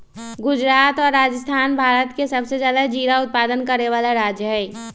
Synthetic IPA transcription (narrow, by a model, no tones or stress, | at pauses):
ɡʊd͡ʒɾaːt̪ɔːɾːaːd͡ʒəst̪ʰaːnbʱaːɾət̪kesəbsed͡ʒjaːd̪ad͡ʒiːɾaʊt̪̚paːd̪ənkəɾeʋaːlaɾaːd͡ʒjəɦɛː